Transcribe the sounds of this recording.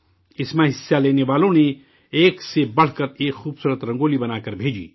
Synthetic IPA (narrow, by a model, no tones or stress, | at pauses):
ɪsmẽɦɪsːaleːneʋaːlõne | eːksebɐɽ̤kəɾeːkxuːbsuːɾət̪ɾɐ̃ŋɡoːlibɐnaːkəɾbʱeːd͡ʒḭː